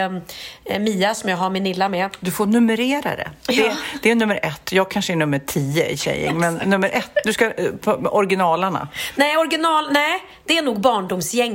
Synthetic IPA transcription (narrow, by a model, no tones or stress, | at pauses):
miːasɔmjɑːɡɦaɾmɪnɪlːamɛd̪ɵfoːɳɵməɾeːɾa̰d̪ɛ̰d̪ɛd̪ɛːɳɵmːəɾʔɛt̪ːjɑːɡ̚kʰanʂəɛɳɵmːəʈʰiːəʔɪ̰ɕɛ̰jːɪ̰ŋmɛnːɵmːəɾʔɛt̪ːd̪ɵskapʰɔɾɡɪnɑːlaɳa̰nɛɔɾɡɪnɑːlnɛ | d̪̥ɛænuːɡ̚bɑːɳɖʊmsjɛŋ